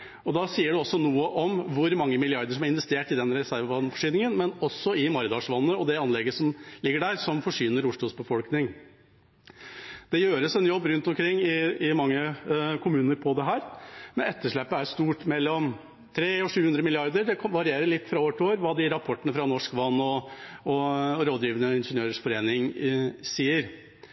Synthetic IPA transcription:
ɔd̪ɑsiːəɖɛɔsːɔnuːəʔɔmʋʊɾmɑŋːəmɪlɪɑɾd̪əʂɔmæɾɪnʋɛst̪eːʈɪd̪ɛnɾɛsæɾʋɑnfɔʂyːnɪŋənmɛnɔsːɔɪmɑɾd̪ɑʂʋɑnːəɔd̪ɛɑnlɛɡəsɔmlɪɡːəɖæːɾsɔmfɔʂjyːnəɾʊʂɭʊːsbəfɔlknɪŋ | d̪̥ɛjøːɾəsɛnjɔbːɾʉnt̪ɔmkʰɾɪŋːɪɪmɑŋːəkʰʊmʉːnəɾpʰɔd̪ɛɦæːɾmɛnɛt̪ːəʂɭæpːəæʂt̪uːʈmɛlːɔm | t̪ʰɾeːɔʂʉːʉnd̪ɾəmɪlɪɑɾd̪əɾɖɛʋɑɾɪeːɾəɭɪt̪ːfɾɑoːʋəʈʰɪoːʋəɾʋɑːd̪ɪɾɑpʰɔʈːənəfɾɑnɔʂkʋɑnːɔɔɾoːd̪ɾiːʋənəɪnʂənjøːɾəʂfɔɾeːnɪŋsiːəɾ

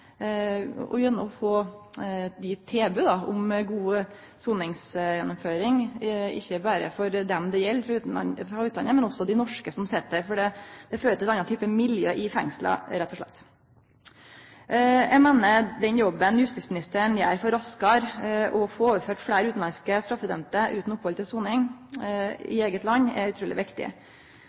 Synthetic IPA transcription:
ɔ̰jœnːəɔfoː | ɪt̪ʰeːbʉd̪ɑʊ̰mɡuː | suːnɪŋsjɛnːʊmføːɾɪŋɪ̰çːəbæːɾə̰fɔɾd̪ɛmd̪ɛjɛlːfɾɑ̰fɾɑʉt̪d̪ɑnəmɛnɔsːɔd̪æɪnɔʂkəsɔmsɪt̪̚ːd̪əɾfɔɖɛd̪ɛføːɾət̪ɪɛt̪ɑnɑt̪t̪ʰyːpəmɪljøːʔɪfɛ̰ŋslɑ̰ɾɛt̪ːɔʂɭɛ̰t̪ː | jæɡmeːnəd̪ɛnjɔbːənjʉst̪ɪsmɪnɪst̪əɾəɳjæ̰ːɾfɔɾɑskɑɾʔɔfɔoːʋəɾføːʈfleːɾəʉːt̪n̩ɑnskəst̪ɾɑfːəd̪œnt̪əʔʉːt̪n̩ɔpʰːhɔlt̪ʰɪlsuːnɪŋ | ɪ̰eːɡət̪lɑnːɛ̰ʉt̪ʰɾuːlɪ̰ʋɪkt̪ɪ̰

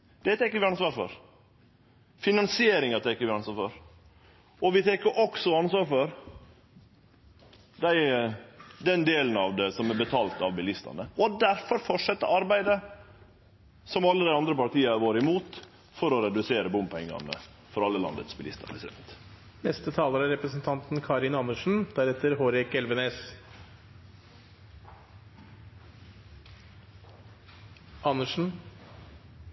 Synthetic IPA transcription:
d̪̥ɛt̪ʰɛkːəɾʋɪɑnsʋɑːɾfɔ̰ɾ | fɪnɑnsɪeːɾɪŋɑt̪ʰɛkːəɾʋɪɑnsʋɑːɾfɔɾ | ɔʋɪt̪ʰɛkəɾʔɔksɔɑnsʋɑːɾfɔɾ | d̪æɪ | d̪ɛnd̪eːlənɑʋd̪ɛsɔmɛbət̪ʰɑːlt̪ɑʋbɪlɪst̪ɑ̰nəɔd̪æɾfɔɾfɔʂɛt̪ːəʔɑɾbæɪd̪ə | sɔmɑlːəd̪æɪɑnd̪ɾəpɑɾʈ̪iːəɑɾʋoːɾɪmuːt̪ | fɔɾɔɾɛd̪ʉseːɾəbʊmpɛŋːɑ̰nə̰ | fɔɾɑlːəlɑ̰nd̪ə̰t̪sbɪlɪst̪ɑ̰nɪsd̪ɛ̰nt̪ | nɛst̪ət̪ʰɑːləɾæɾɛpɾəsn̩t̪ʰɑnt̪n̩kʰɑɾɪnɑnəʂn̩d̪̥æɾɛt̪əɾɦoːɾɛkɛlʋəneːs | ʔɑnəʂn̩

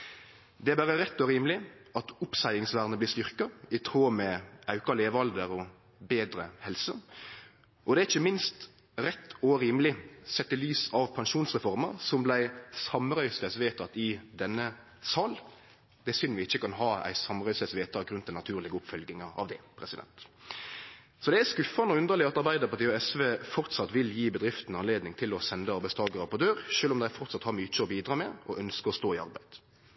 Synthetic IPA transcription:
d̪ɛæbæːɾəɾɛt̪ːɔɾiːmlɪʔɑt̪ʊpsæɪɪŋsʋæʁnəb̪ɪst̪ʏʁkɑɪt̪ʰɾoːmɛɑʉkɑleːʋɑld̪əɾɔ | beːd̪ɾəhɛlsə | ʔɔd̪ɛæɾɪçːəmɪnst̪ | ɾɛt̪ːɔɾiːməlɪsɛt̪ːəlyːsɑʋpʰɑnʃuːnsʁɛfɔʁməɾsɔmblæɪsɑmɾœʏst̪ɛsʋeːt̪ʰɑt̪ɪd̪ɛnːə | sɑːl | d̪̥ɛsʏnʋɪɪçːəkɑnɦɑːæ̰ɪsɑmɾœʏsɛsʋeːt̪ʰɑɡɾʉnt̪d̪æɪnɑt̪ʰʉːɾlɪɡəʊpfœlɡɪŋəɑ̰ʋd̪ɛpʰɾɛsɪd̪ɛ̰nt̪ | sɔd̪ɛæskʉfɑnəɔʉnd̪əɾlɪɑt̪ɑɾbæɪd̪əɾpʰɑt̪iːɔɛsʋeːfɔɾt̪sɑt̪ʋɪljiːbəd̪ɾɪft̪n̩ɑnleːd̪nɪŋt̪ʰɪlɔsɛnd̪əɑɾbæɪst̪ʰɑːɡəɾɑpʰɔd̪øːɾʃøːlɔmd̪æɪfɔɾʁt̪sɑt̪hɑɾmyːt͡ʃəɔbiːd̪ʁɑːmɛɔʔœnskəɔst̪oːɪɑɾbæɪd̪̥

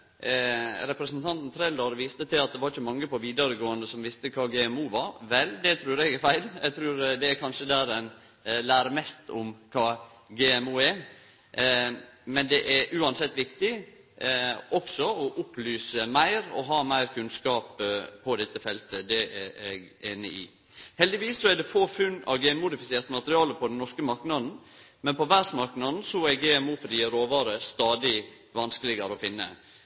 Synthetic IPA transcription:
ɾɛpɾɛsnt̪ʰɑnt̪n̩t̪ʰɾɛld̪ɑɾʋiːst̪ət̪ʰɪlɑt̪̚d̪ɛʋɑɾɪçəmɑŋːəpɔʋiːd̪əɾəɡoːənəsɔmʋɪst̪əkʰɑːɡɛːɛmuːʋɑɾʋɛld̪ɛt̪ʰɾʉːɾɛɡɪʋæɪlɛɡt̪ʰɾʉːɾd̪ɛæɾkʰɑnʂəd̪æːɾɛn | læːɾəmɛst̪ʊmkʰɑː | ɡɛːɛmuːɛɾ | mɛnd̪ɛʔæɾʔʉːɑnsɛt̪ːʋɪkt̪ɪ | ɔksɔɔʔʊplyːsəmæɪɾɔ̰ɦɑːmæɪɾkʰʉnskɑːppʰːɔd̪ɛt̪ːəfɛlt̪əd̪ɛɛɡɛnə̰ɪ̰ | hɛld̪ɪʋiːssɔæɖɛfoːfʉnːɑ̰ʋɡɛnmʊd̪ɪfɪseːɾt̪əmɑt̪əɾɪɑːləpʰɔd̪ɛnnɔʂkəmɑɾknɑd̪n̩ | mɛnpɔʋæɾsmɑɾknɑd̪n̩sɔɛɾɡeːɛmuːfɾiːəɾoːʋɑːɾəst̪ɑːd̪ɪ | ʋɑnskəlɪɡəɾəɔfɪnːə̰

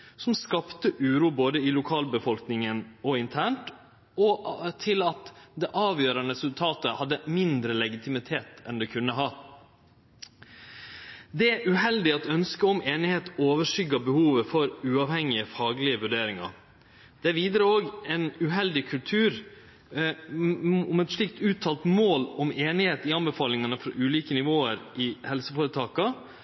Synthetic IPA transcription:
sɔmskɑpt̪əʔʉːɾuːboːd̪əilʊkʰɑːlbəfɔlknɪŋənɔɪnt̪ʰæːɳʈ | ɔt̪ʰɪlɑt̪d̪ɛʔɑːʋjøːɾɑnəɾɛsʉlt̪ʰɑːt̪əhɑd̪ːəmɪnd̪ɾəlɛɡɪt̪ʰɪmɪt̪ʰeːt̪ɛnd̪ɛkʰʉnːəɦɑː | d̪ɛæʉhɛld̪ɪɑt̪œnskəɔmeːnɪheːt̪oːʋəʂʏɡɑbəhuːʋəfɔɾʉːɑʋhɛŋːɪəfɑːɡlɪəʋʉɖeːɾɪŋɑ̰ɾ | d̪̥ɛʋiːd̪əɾəoːɡɛnʉɦɛld̪ɪkʰʉlt̪ʰʉːɾ | ɔmɛt̪ʂɭɪk̚t̪ʉːt̪ʰːɑːlt̪moːlɔmeːnɪheːt̪ɪɑnbəfɑːlɪŋɑnəfɾɑʔʉːliːkənɪʋoːəɾʔɪhɛlsəfoːɾət̪ʰɑːkɑ

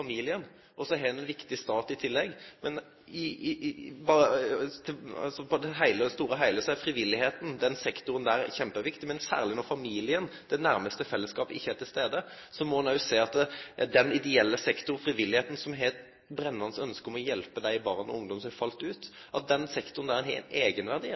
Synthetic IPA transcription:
fɑmiːlɪən | ʔɔsɔɦɛnɛnʋɪkt̪ɪst̪ɑːt̪ɪt̪ʰɪlːɛɡːmɛn | ɪ | bɑət̪ʰɑ̰sɔpɔd̪ɛɦæɪləst̪uːɾəɦæɪləsɛfɾɪʋɪlːɪheːt̪n̩d̪ɛnsɛkt̪ʊɾənd̪æːɾçɛmpəʋɪkt̪ɪmɛnsæ̰ːʁlɪnɔɾfɑmiːlɪənd̪̥ɛnæɾməst̪əfɛlːəskɑːpəɪçːəæt̪ʰɪlst̪eːd̪ə | sɔmɔnɑʉseːɑt̪d̪ɛnɪd̪ɛɛlːəsɛkt̪ʊɾfɾɪʋɪlːɪheːt̪n̩sɔmɦeːt̪ | bɾɛnːɑnsœnskəɔmɔjɛlpəd̪æɪɪbɑːʁɔ̰ʊŋd̪ɔmsɔmhɛfɑlt̪ʉːt̪ | ʔɑt̪̚d̪ɛnsɛkt̪ʊɾənæɾɛnɦɛ̰eːɡənʋæʁd̪i

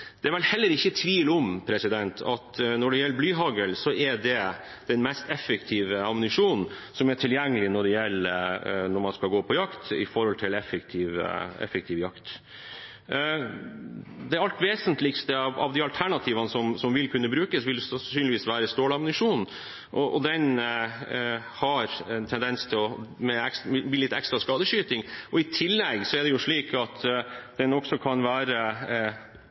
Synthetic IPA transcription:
d̪̥ɛæɾʋɛlhɛlːəɾɪçːət̪ʰʋiːlɔmpʰɾɛsɪd̪ɛnt̪ʰɑ̰t̪nɔɖɛjɛlːəɾblyːɦɑɡəlsɔʔɛɖɛ | d̪̥ɛnmɛst̪ɛfəkt̪ʰiːʋəɑmʊnɪʂuːnn̩sɔmæʈʰɪljɛŋːəlɪnɔɖɛjɛlːənɔɾmɑnskɑlɡoːpʰɔjɑkt̪ɪ̰fɔɾhɔlt̪ʰɪlɛfːəkt̪ʰiːʋə̰ɛ̰fəkt̪ʰiːʋjɑkt̪ | d̪ɛæɾɑlt̪ʋeːsənt̪lɪkst̪əɑʋɑ̰ʋd̪ɪɑlt̪ʰæɳɑt̪ʰiːʋɑnəsɔmsɔmʋɪlkʰʉnːəbɾʉːkəsʋɪlssyːnlɪʋiːsʋæːɾəst̪oːlɑmnɪʂuːnn̩ | ʔɔʔɔd̪ɛn | hɑɾɛnt̪ʰɛnd̪ɛnst̪ʰɪlɔmɛɛksbliːlɪt̪ːɛkst̪ɾɑskɑːd̪əɕyːt̪ɪŋʔɔɪt̪ʰɪlːɛɡsɔɛɖɛjʊʂɭiːkʰɑt̪d̪̥ɛnɔksɔkʰɑnʋæːɾə

